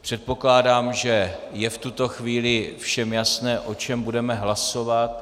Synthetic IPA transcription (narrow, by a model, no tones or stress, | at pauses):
pr̝̥ɛt̪̚po̞klaːdaːmʒɛjɛft̪ut̪o̞xviːlɪfʃɛmjasnɛːʔo̞t͡ʃɛmbudɛmɛɦlaso̞vat̪̚